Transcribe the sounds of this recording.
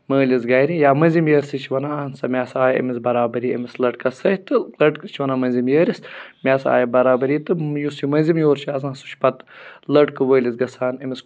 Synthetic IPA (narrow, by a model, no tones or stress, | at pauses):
məːlizɡɐjɾijaːmɐnzimjəːɾʲsit͡ʃʰiʋɐnansɐmʲaːsaːjɐ̰misbɐɾaːbɐɾiːɐ̰mislɐʈ̚kɐsɐt̪ɨlɐʈkt͡ʃʰiʋɐnamɐnzimjəːɾismʲaːsa̰ːjɐbɐɾaːbɐɾiːt̪ɨjusimɐnzimjoːɾt͡ʃʰiɐzãːsu̥t͡ʃʰʲpɐt̪lɐʈkɨʋəːlʲizɡɐsaːnɐmis